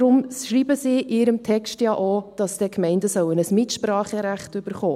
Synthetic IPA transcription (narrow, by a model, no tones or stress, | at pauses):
ɾʊmʃriːbəsiːʔɪɾəmtʰɛkstjɑʔod̥ɑsd̥ɛkʰmɛɪndəsœwənəsmɪtʃpɾɑːχəɾæχtʏb̥əɾχo̰ː